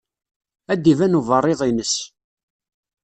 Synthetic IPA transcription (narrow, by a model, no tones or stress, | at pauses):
æd̪ivænuvərˤːeðˤinəs